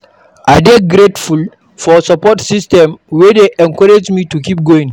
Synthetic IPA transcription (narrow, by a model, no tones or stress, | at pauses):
ʔadeɡɾetful | fɔsapɔtsistɛmwɛdeʔɛ̃ŋkɔɾed͡ʒmitukip̚ɡoĩŋ